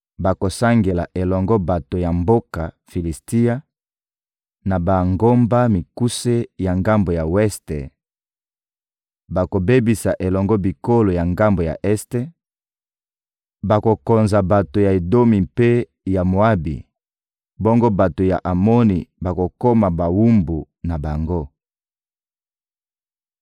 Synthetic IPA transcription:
ba˨ko˨sa˦ŋɡe˨la̰˨ʔe˨lɔ˨ŋɡɔ˦ba˨to˨ja˨mbo˦ka˨ | fi˨li˨sti˦a˦ | na˨ba˨ŋɡo˦mba˦mi˨ku˦se˦ja˨ŋɡa˦mbo˨ja˨wɛ˦ste˨ | ba˨ko˨be˦bi˨sa˨ʔe˨lɔ˨ŋɡɔ˦bi˨ko˦lo˨ja˨ŋɡa˦mbo˨ja̰˨ʔɛ˦ste˦ | ba˨ko˨kɔ˨nza˨ba˨to˨ja˨e˨do˦mi˨mpe˦ | ja˨mo˨a˦bḭ˨ | bɔ˦ŋɡo˦ba˨to˨ja̰˨ʔa˨mɔ˦ni˨ba˨ko˨ko˦ma˨ba˨wu˦mbu˨ | na˨ba˨ŋɡo˦

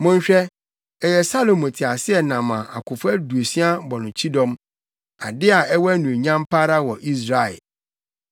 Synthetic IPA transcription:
mʊ̃˦n̩˦ɕᶣɛ˦ | ɛ˨jɛ˨sa˦lo˨mʊ̃˨tʰɪ˨a˨sɪ˦ɛ˨nã˨mã˨ʔa̰˨kʰʊ˨fʊ˦æ˦du˨e˨si˦a˦bɔ˨nʊ̃˨t͡ɕʰi˦dɔ̃˦m | a̰˨dɪ˦a˨ɛ˦wɔ˦æ˦nũ˨ɲã˦mpʰa˦ɾa˦wɔ˨ʔi˦s̬ɾa˨ɛ̰˨

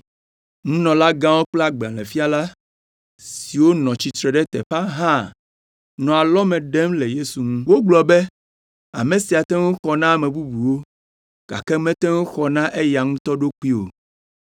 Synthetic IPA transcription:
ŋũ˦nɔ̃˨la˦ɡã˦wo˦k͡plɛ˦a˦ɡ͡ba̰˨lɛ˨fi˦a˦la˦ | si˨wo˦nɔ̃˨t͡ɕi˨t̪ɾɛ˨ɖɛ˦t̪ɛ̰˨ɸa˦ɦã˦˨ | nɔ̃˨a˨lɔ˦mɛ̃˨ɖɛ˦mle˨je˦su˨ŋũ˦wo˦ɡ͡blɔ˨bɛ˦ | a̰˨mẽ˨si˨a˨t̪ɛ˦ŋũ˦xɔ˨nã˦˨mɛ̃˨bu˦bu˨wo˦ | ɡ̥a̰˨kɛ˦mɛ̃˦t̪ɛ˦ŋõ˦xɔ˨nã˦ʔe˦ja˨ŋũ˦t̪ɔ˦ɖo˦k͡pi˦o̰˨

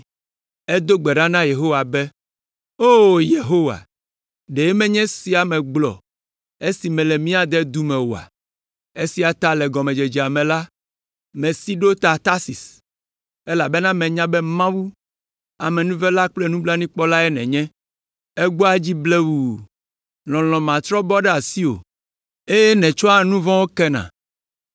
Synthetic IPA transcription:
e˦d̪o˦ɡ͡bɛ˨ɖã˦nã˦je˨ɦo˦wa˨bɛ˦ | o˦je˨ɦo˦wa̰˨ | ɖe˨je˦mɛ̃˦ɲɛ̃˦si˦a˨mɛ̃˨ɡ͡blɔ̰˨ | e˦si˨mɛ̃˨lɛ˨mĩ˦a˨d̪ɛ˦d̪u˦mɛ̃˨wo˨a̰˨ | e˦si˦a˨t̪a˦lɛ˨ɡɔ˨mɛ̃˨d͡ʒe˨d͡ʒi˨a˨mɛ̃˨la˦ | mɛ̃˨si˦ɖo˦t̪a˨t̪a˦si˨s | e˦la˨be˦nã˦mɛ̃˨ɲã˦bɛ˦mã˦wu˦ | a˨mɛ̃˨nũ˦vɛ˦la˦k͡plɛ˦nũ˦bla˦nĩ˦k͡pɔ˦la˦ɛ˦nɛ̰̃˨ɲɛ̃˦ | e˦ɡ͡bo˦a˦d͡ʑi˦ble˦wu˨ | lɔ̃˨l̃ɔ̃˨mã˨t̪ɾɔ˦bɔ˦ɖɛ˦a˨si˦o̰˨ | e˦jɛ˦nɛ̃˨t͡ʃɔ˦a˨nũ˦vɔ̃˦wo˦kɛ˦nã̰˨

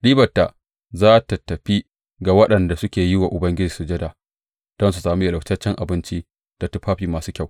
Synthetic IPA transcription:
ɗiː˦bɐ˨tːa˨ʔ | zaː˦ta˨tɐ˨ɸi˦ | ɡa˨wɐ˦ɗɐ˨nda˨sʊ˦kʲeː˨jɪ˦wa˨ʔʊ˨bɐ˦ŋɡʲɪ˦d͡ʒiː˨su˨d͡ʒɛ˦da˨ | d̥ɔ˦ns̬u˨saː˨mi˦jɐ˨la˨wt͡ʃɐ˦t͡ʃːɛ˦ŋʔa˨bɪ˦nt͡ʃi˦ | d̥a˨tu˦ɸaː˦ɸiː˨maː˨suː˦kʲa˦˨w

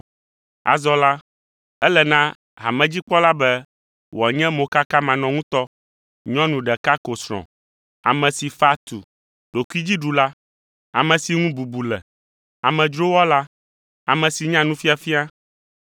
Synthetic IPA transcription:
a̰˨zɔ˨la˦ | ɛ˦lɛ˨nã˦ | ɦa̰˨mɛ̃˨d͡ʑi˦k͡pɔ˦la˦bɛ˦ | wɔ˨ɲɛ̃˦mo˨ka˦ka˦mã˨nɔ̃˨ŋũ˦t̪ɔ˦ | ɲɔ̃˦nũ˨ɖɛ˨ka˦ko˨sɾɔ̰̃˨ | a̰˨mɛ̃˨si˨fa˦t̪ṵ˨ | ɖ̥o˨ku˦i˦d͡ʑi˦ɖu˨la˦ | a̰˨mɛ̃˨si˨ŋũ˦bu˨bu˨lɛ̰˨ | a˨mɛ̃˨d͡ʒɾo˦wɔ˦la˦ | a˨mɛ̃˨si˨ɲã˦nũ˦fi˦a˨fi˦a˦

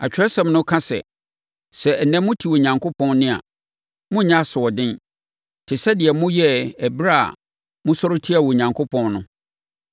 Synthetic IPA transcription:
a˨t͡ɕᶣɪ˨ɾɛ˦sɛ̃˨mnʊ̃˦kʰã˦sɛ̰˨ | sɛ˨n̩˨nɛ̃˦mʊ̃˦tʰi˨wɔ˨ɲã˨ŋkʰʊ˦pʰɔ̃˦n˦nɪ̃˦a̰˨ | mʊ̃˦ɲã˦˨sʊ˨ɔ˨dɪ̃˦n | tʰɪ˨sɛ˦dɪ˨ɛ˨mʊ̃˦jɛ˦ɛ˨bɾa˦a̰˨ | mʊ̃˦sɔ˦ɾʊ˦tʰi˦a˨wɔ˨ɲã˨ŋkʰo˦pʰɔ̃˦nnʊ̃˦

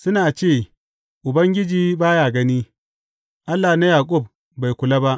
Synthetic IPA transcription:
sʊ˦naː˨t͡ʃeː˦˨ | ʔʊ˨bɐ˦ŋɡʲɪ˦d͡ʒiː˦baː˦jaː˨ɡɐ˦niː˦ | ʔa˦lːaː˨na˦jaː˨kʼʊ˦˨b̚ | ba˨jkʷʊ˨la˦ba˦ʔ

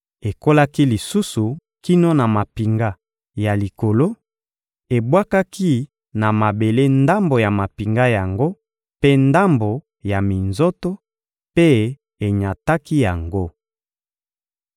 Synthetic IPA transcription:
e˨ko˦la˦ki˦li˨su˦su˨ki˦no˦na˨ma˨pi˨ŋɡa˦ | ja˨li˨ko˨lo˦ | e˨bwa˦ka˦kʰi˦ | na˨ma˨be˨le˦nda˦mbo˨ja˨ma˨pi˨ŋɡa˦ja˨ŋɡo˦ | pe˦nda˦mbo˨ | ja˨mi˨nzo˦to˦ | pe˦ | e˨ɲa˨ta˦ki˦ja˨ŋɡo˦

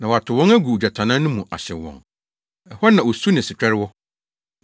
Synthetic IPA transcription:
nã˨wɔ˨a˨tʰʊ˨wɔ̃˦ŋæ˦ɡu˨u˨d͡ʑa˨tʰã˨nã˦nʊ̃˦mũ˨ʔa̰˨ɕɪ˨wɔ̰̃˨ŋ | ɛ˨hɔ˦nã˨wɔ˨su˦nɪ̃˨sɪ˨t͡ɕᶣɛ˦ɾɪ˦wɔ˦

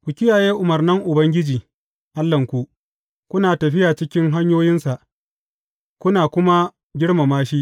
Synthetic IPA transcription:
kʷʊ˨kʲɪ˦jaː˨jeː˦ʔʊ˨mɐ˨rnɐ˦ŋʔʊ˨bɐ˦ŋɡʲɪ˦d͡ʒiː˨ | ʔa˦lːɐ˨ŋkʷu˦ʔ | kʷʊ˦naː˨tɐ˨ɸɪ˦jaː˨t͡ʃɪ˦kʲɪ˦ŋɦa˦ɲjoː˦jɪ˦nsa˨ʔ | kʷʊ˦naː˨kʷʊ˦ma˦ | ɡʲɪ˦ɽma˨maː˦ʃiː˦ʔ

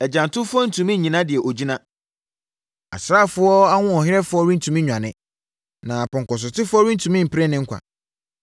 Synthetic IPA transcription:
ɛ˨d͡ʑã˨n˨tʰʊ˦fʊ˦ɔ˦n̩˨tʰũ˨mĩ˦ɲĩ˨nã˦dɪ˨ɛ˨ʔo˨d͡ʑi˦nã˦ | a̰˨sɾaː˦˨fʊ˦ɔ˦a˦wʊ̃˦ɔ˨ɦɪ˦ɾɛ˦fʊ˦ɔ˦ɾĩ˦n˦tʰũ˨mĩ˦ɲᶣã˨nɪ̃˦ | nã˨pɔ̃˨ŋ˨kɔ˨s̬ʊ˨tʰɪ˦fʊ˦ɔ˦ɾĩ˦n̩˦tʰũ˨mĩ˦m̩˨pʰɪ˦ɾɛ˦nɪ̃˦ŋ̩˦kʷʰa̰˨

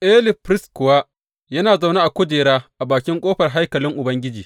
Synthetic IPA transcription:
ʔɛ˦lɪ˨pɾɪ˦skʊ˨waː˦ | jɐ˦naː˨za˨wna˦ʔa˨kʷʊ˦d͡ʒeː˨ɾaː˦ʔa˨baː˨kʲɪ˦ŋkʷʼoː˦ɸɐ˨rɦa˦jkɐ˨lɪ˦ŋʔʊ˨bɐ˦ŋɡʲɪ˦d͡ʒiː˨

